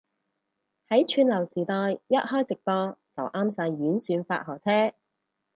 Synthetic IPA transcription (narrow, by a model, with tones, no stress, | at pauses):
hɐ˨˥jt͡ʃʰyː˧nlɐ˨˩wsiː˨˩t̪ɔː˧jːɐ˥t̚hɔː˥jt͡sɪ˨k̚p̪ɔː˧t͡sɐ˨˩wʔaː˥msaː˧jːyː˨˥nsyː˨˧nfa̰ː˧t̚hɔː˨˩t͡sʰɛː˥